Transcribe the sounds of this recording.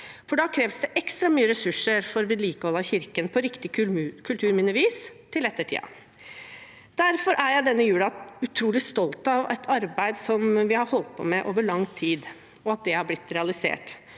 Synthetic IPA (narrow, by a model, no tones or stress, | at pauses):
fɔɖɑːkʰɾeːʋsd̪ɛʔɛkst̪ɾɑmyːəɾɛsʉʂəɾfɔɾʋɪliːkəhɔlɑçɪɾkənpʰɔɾɪkt̪ɪkʰʉlt̪ʰʉːɾmɪnəʋiːst̪ʰɪlɛt̪ːəʈʰḭːɑ̰ | d̪̥æɾfɔɾʔæɾjæɪd̪ɛnːəjʉːɽɑʉt̪ʰɾuːlɪst̪ɔlt̪ɑʋæ̰t̪ʰɑɾbæɪd̪sɔmʋɪhɑɾhɔlt̪̚pʰɔ̰mɛʔoːʋəɭɑŋːt̪ʰiːd̪ | ɔɑt̪̚d̪ɛhɑblɪt̪ːɾɛɑlɪsḛːʈ